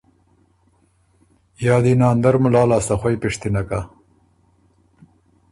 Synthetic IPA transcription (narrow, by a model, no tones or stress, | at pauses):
jɑːd̪inɑːnd̪aɾmʊlɑːlɑːst̪axwajpɪʂt̪inaka